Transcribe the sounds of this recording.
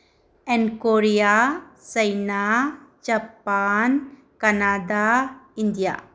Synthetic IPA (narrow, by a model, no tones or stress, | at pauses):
ɛnkoɾijasəjnad͡ʒapan | kanad̪aind̪ija̰